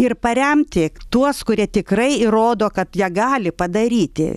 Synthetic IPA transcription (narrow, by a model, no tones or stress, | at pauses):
ɪrpɐɾʲɛmʲt̪ʲɪt̪uɔskʊɾʲiɛt̪ʲɪkrɐɪroːd̪oːkɐt̪jiɛɡɑːlʲɪpɐd̪ɐɾʲiːt̪ʲɪ̰